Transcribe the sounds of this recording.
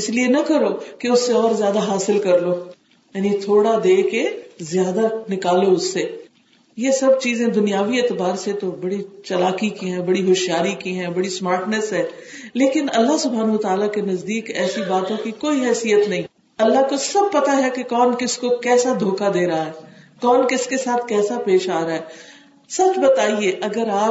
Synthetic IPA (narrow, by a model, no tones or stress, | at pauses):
ɪslienɐkɐɾokeʊsːeɔːɾzjaːd̪aɦaːsɪlkɐɾloː | jaːnit̪ʰoːɽad̪eːkezjaːd̪anɪkaːloʊsːe | jesɐb̚t͡ʃiːzẽd̪ʊnijaːʋieːt̪ɪbaːɾset̪obɐɽit͡ʃɐlaːkikiɦɛ̃bɐɽiɦoːʃjaːɾikiɦɛ̃bɐɽismaːɾʈnɛsɦɛ̃ː | leːkɪnɐlːaɦsʊbʱɦaːnʋət̪aːlakenɐzd̪iːkɛːsibaːt̪õkikoːiɦɛːsijət̪nɐɦĩː | ɐlːaɦkosɐb̚pɐt̪aɦɛkekɔːnkɪskokɛːsad̪ʱoːkad̪eːɾaɦaɦɛː | kɔːnkɪskesaːt̪ʰkɛːsapeːʃaːɾaɦɛː | sɐt͡ʃbɐt̪aːieːʔɐɡəɾaː